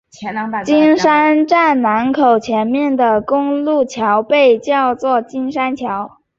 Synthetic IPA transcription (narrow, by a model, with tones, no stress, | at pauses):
t͡ɕi˥nʂa˥nʈ͡ʂa˥˩nna˧˥nkʰo˨˩ʊt͡ɕʰjɛ˧˥nmjɛ˥˩nd̪ə˩kʊ˥ŋlu˥˩t͡ɕʰjɑ˧˥ʊpe˥˧ɪt͡ɕjɑ˥˧ʊt͡swɔ˥˩t͡ɕi˥nʂa˥nt͡ɕʰjɑ˧˥ʊ